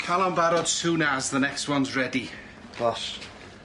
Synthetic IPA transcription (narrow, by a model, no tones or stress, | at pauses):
kʰalˠãmbaɾɔd̥suːnazðənɛkstwʌnzɹɛdi̥ | aʃ